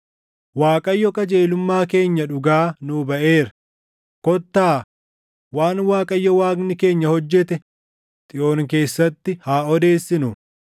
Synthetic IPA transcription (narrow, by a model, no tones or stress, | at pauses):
waːkʼɐjːɔkʼɐd͡ʒeːlʊmːaːke̞ːɲːɐᶑʊɡaːnʊbɐʔe̞ːɾɐ̥ | kɔt̪ːaː | waːnwaːkʼɐjːɔwaːɡnɪke̞ːɲːɐhɔd͡ʒːɛt̪ɛ | t̪ʼɪʔo̞ːŋke̞ːsːɐt̪ːɪhaːɔd̪e̞ːsːɪnʊ